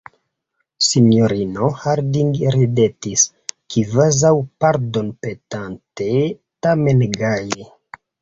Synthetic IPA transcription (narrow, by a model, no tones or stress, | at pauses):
sinjoɾinohaɾdiŋɡɾidetis | kʰivazawpaɾdonpetante | tamenɡaji